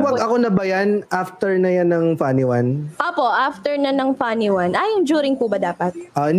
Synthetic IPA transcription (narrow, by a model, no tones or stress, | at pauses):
wɐɡɐko̞nɐbɐjanʔaft̪ɛɹnɐjanɐŋfanɪwanʔoːpo̞ʔaːft̪ɛɹnɐnɐŋfanɪwanʔajʊŋd͡ʒuːɾɪŋpʊbɐd̪aːpɐt̪̚ʔan